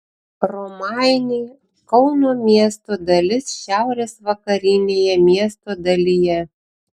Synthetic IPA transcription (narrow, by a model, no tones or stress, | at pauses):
ɾɔmɑɪnʲi | kɒʊnoːmʲiɛst̪od̪ɐlʲɪsʃʲæˑʊɾʲeːsʋɐkɐɾʲɪnʲeːjɛmʲiɛst̪oːd̪ɐlʲɪjɛ